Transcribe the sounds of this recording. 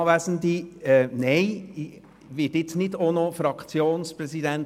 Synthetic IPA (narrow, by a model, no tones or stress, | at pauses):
ʋæːsənd̪iɛnɛɪ | ʋɪːtɪt͡snɪdonofɾɑkt͡sjoːnspɾɛsidɛnt